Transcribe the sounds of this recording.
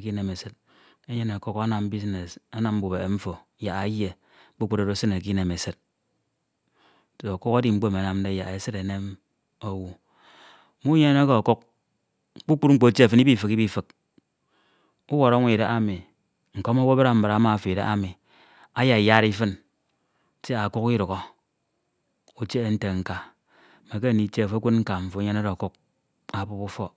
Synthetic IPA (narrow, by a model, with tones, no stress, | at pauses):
ki˦ne˨me˨sɨ˦t | e˦ɲe˦ne˨ko˦ka˦na˨m˦bi˦sne˨sa˦na˨m̩˦bu˨be˨ɱ̩˦fo˨˦ja˨a˨˦je˨ | bu˦k͡pu˦ɾo˨ɾo˦sɨ˦ne˨k̬i˦ne˨me˨sɨ˦t̚ | to˨o˨ko˦ka˦di˦ŋ͡m̩˦ɡ͡bo˦˨me˨˦na˨mn˦de˦ja̰˨e˨sɨ˦ɾe˨ne˦m | o˦wu˦˨ | mu˦ɲe˦e˦ko˦˨ko˦k̚ | k͡pu˦k͡pu˦t̚ŋ͡m̩˦k͡po˨tje˦a˨fɨ˦ni˦bi˦fɨ˨ki˦bi˦fɨ˨k̚ | u˦wo˨ɾa˦ŋʷ˦e˨ɾe˨ʔa˦mi˨ | ŋ̩˨ko˦mo˦wo˦ba˦ɾa˦m̩˦ba˨ɾa˨a˦ma˦˨fe˨ɾḛ˨ʔa˦mi˨ | a˦ja˨ja˦ɾi˦fɨ˦n | te˦a˨ku˦ki˦ɾo˨ɣɔ˦ | u˨t͡ʃe˦n̩˦te˨ŋ̩˨ka˨ | me˨ke˦˨ni˨˦t͡ʃe˦˨fo˦kʷu˦t̚ŋ̩˦ka˨ɱ̩˨fo˨˦ɲe˦na˦ɾo˨ku˦k̚ | a˨pu˦pu˦fɔ˦